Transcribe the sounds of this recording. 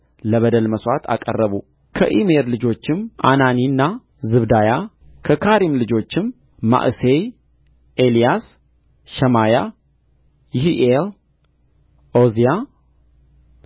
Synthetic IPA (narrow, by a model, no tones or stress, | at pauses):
ləβəd̪əlməswat̪ʰa̰kʼə̰rːəβu | kʰəʔimeɾlɨd͡ʒo̞t͡ʃːɪmʔa̰naninːa | zɨβd̪aja | kʰəkʰaɾimlɨd͡ʒo̞t͡ʃːɪmː | a̰ʔsej | ʔelijas | ʃəmaja | jɪhiʔel | ozija